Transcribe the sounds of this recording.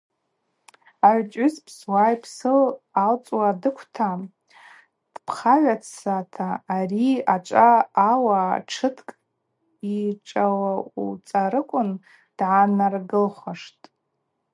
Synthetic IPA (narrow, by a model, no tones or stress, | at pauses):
aʕʷt͡ʃʷʼʏzpʰswajpʰsɨlalt͡sʼwadɨkʷʰtʰa | d̥pʰχaʕʷat͡sʰatʰaːriat͡ʃʷʼaːwaʈ͡ʂʰɨtʰkʼ | iʈ͡ʂʼawaut͡sʼaɾɨkʷʼʊn | d̥ʕanarɡɨlχʷaʂtʼ